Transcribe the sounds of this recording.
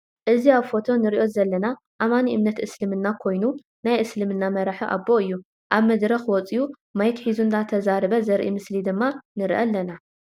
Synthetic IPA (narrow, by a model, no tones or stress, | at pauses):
ʔɨziaβfo̞t̪ʰo̞nɨɾiʔo̞zɐlːɐna | ʔamaniʔɨmnɐt̪ʔɨslɨmɨnːakʰo̞jnu | najʔɨslɨmɨnːamɐɾaħiʔa̰bːo̞ɨjːu | ʔaβmɐd̪ɾɐxwɔt͡sʼiju | majɛk̪ħizund̪ʰat̪ʰɐzaɾɨβɐzɐɾʔḭmɨslid̪ɨmːanɨɾʔɐ̰lːɐna